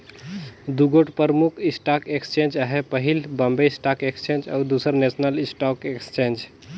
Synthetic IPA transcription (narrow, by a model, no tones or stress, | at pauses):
d̪uɡoʈpəɾmukʰisʈakekst͡ʃẽnd͡ʒəɦepəɦilbəmbesʈakekst͡ʃẽnd͡ʒa̰wd̪usəɾnesʰnəlisʈakekst͡ʃẽnd͡ʒ